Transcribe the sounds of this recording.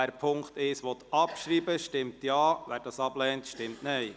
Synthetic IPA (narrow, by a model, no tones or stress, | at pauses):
æːɾpʰʊŋktɪʃʋɔt̪ɑpʃɾiːbəʃtɪmtjɑːvæːɾd̥ɑsɑblɛːntʃtɪmtnɛɪ